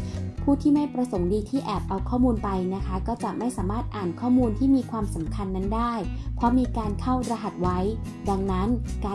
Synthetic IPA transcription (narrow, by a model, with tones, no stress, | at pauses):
pʰuː˥˩t̪ʰiː˥˩ma˥˩jpɾa˧so˩˦ŋdiː˧t̪ʰiː˥˩ʔɛː˨˩p̚ʔa˧wkʰɔː˥˩muː˧npa˧jna˦˥kʰa˦˥kɔː˥˩t͡ɕa˨˩ʔma˥˩jsaː˩˦maː˥˩t̪̚ʔaː˨˩nkʰɔː˥˩muː˧nt̪ʰiː˥˩miː˧kʰwaː˧msa˩˦mkʰa˧nːa˦˥ndaː˥˩jpʰɾɔ˦˥miː˧kaː˧nkʰa˥˩wɾa˧ɦa˨˩t̪̚wa˦˥j | da˧ŋna˦˥nkaː˧